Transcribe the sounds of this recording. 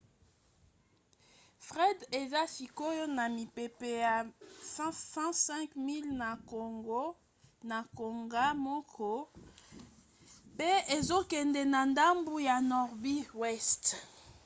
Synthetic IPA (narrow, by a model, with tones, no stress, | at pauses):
fʁɛ˦de˨za˦si˨ko˦jo˦na˨mi˨pe˨pe˨ja˨ssɑ̃˦sɛ̃˦kmi˦lna˨ko˨ŋɡo˦ | na˨ko˨ŋɡa˦mɔ˦kʰɔ˦ | pe˦e˨zo˦kɛ˨ndɛ˨na˨nda˦mbu˦ja˨nɔ˨ʁbi˦wɛ˦st